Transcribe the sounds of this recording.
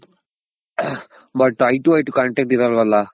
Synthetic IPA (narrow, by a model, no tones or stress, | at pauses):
bɐʈːɐjʈuʋɐjʈukɐɳʈɛːk̚ʈiɾaːlʋɐlːa